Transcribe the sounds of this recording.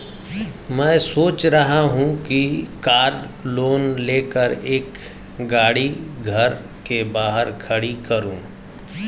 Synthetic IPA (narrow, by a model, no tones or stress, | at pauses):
mɛ̃ːsoːt͡ʃɾɐɦaɦũkikaːɾ | loːnleːkəɾeːk | ɡaːɽiɡʱɐɾ | kebaːɦəɾkʰɐɽikɐɾũː